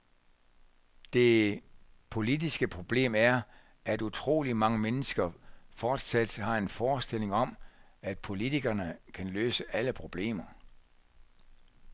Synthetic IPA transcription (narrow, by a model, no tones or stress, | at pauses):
d̥e̝ | pʰo̝lidisɡ̥əpʰʁo̝b̥le̝̰ːmæɐ | æd̥ut͡sʰʁo̝̰ːlimɑ̈ŋəmenəsɡ̥ɐfɒːd̥sæd̥hɑ̈e̝nfɒːsd̥e̝l̰e̝ŋɒ̽mæd̥̚pʰo̝lit͡sʰiɡ̥ɐnəkʰænløːsəʔæləpʰʁo̝b̥le̝̰ːmɐ